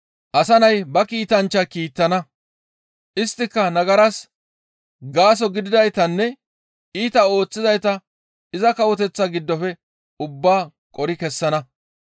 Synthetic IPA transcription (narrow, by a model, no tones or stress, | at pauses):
ʔɐsɐnɐjbɐkiːt̪ɐnt͡ʃːɐkiːt̪ːɐnɐ | ʔɪst̪ːɪkːɐnɐɡɐɾɐs | ɡaːs̬ɔɡɪd̪ɪd̪ɐjt̪ɐnːɛ | iːt̪ɐo̞ːt͡sːɪzɐjt̪ɐ | ɪzɐkɐwɔt̪ɛt͡sːɐɡɪd̪ːɔfɛ | ʊbːaː | kʼɔɾɪkɛsːɐnɐ